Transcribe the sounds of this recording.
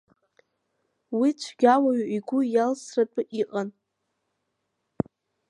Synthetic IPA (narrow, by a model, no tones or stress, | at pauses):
wit͡ʃʷʰɡʲawaɥʔiɡʷʊjalsratʷʼɨʔiqʼan